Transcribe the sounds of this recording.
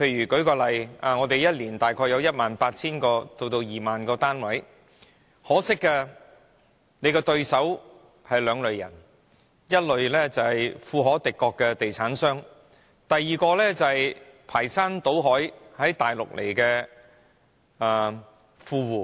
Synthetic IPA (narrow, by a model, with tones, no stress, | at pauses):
pʰe˧jɥyː˨˩kɵ˨˥ɥkɔː˧lɐ˨jʔaː˨ŋɔː˨˧t̪e˨jjɐ˥t̚liː˨˩nt̪aː˨jkʰɔː˧jɐ˧wjɐ˥t̚maː˨npaː˧t̚t͡sʰiː˥nkɔː˧t̪o˧wt̪o˧wjiː˨˩maː˨nkɔː˧t̪aː˥nwɐ˨˥j | hɔː˨˥sɪ˥kːɛː˧ | ne˨˧jkɛː˧t̪ɵ˧ɥsɐ˨˥w | hɐ˨jlœː˨˧ŋlɵ˨˧ɥjɐ̰˨˩n | jɐ˥t̚lɵ˨ɥlɛː˥t͡sɐ˨hɐ˨jfuː˧ɦɔː˨˥t̪ɪ˨kːɔː˧kːɛː˧t̪e˨jt͡sʰaː˨˥nsœː˥ŋ | t̪ɐ˨jːiː˨kɔː˧lɛː˥t͡sɐ˨ɐ˨˩jpʰaː˨˩jsaː˥nt̪o˨˥wɦɔː˨˥jhɐ˨˥jt̪aː˨jlʊ̰˨k̚lʔḛ˨˩jkɛː˧ | aː˨˩ | fuː˧wuː˨˩